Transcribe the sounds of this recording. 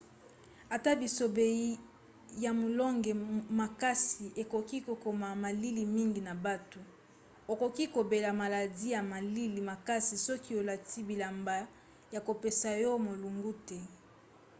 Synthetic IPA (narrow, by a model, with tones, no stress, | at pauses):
a˨ta˦bi˨so˨be˨i˦ | ja˨mo˨lɔ˦ŋɡɛ˨ma˨ka˦si˨ʔe˨ko˨ki˦ko˨ko˨ma˨ma˨li˦li˨mi˦ŋɡi˨na˨ba˦to˨ | o˨ko˨ki˦ko˨be˨la˨ma˨la˨di˦ja˨ma˨li˦li˨ma˨ka˦si˨sɔ˦ki˦o˨la˨ti˦bi˨la˨mba˨ | ja˨ko˨pe˨sa˨jo˦mo˨lu˨ŋɡu˦tɛ˦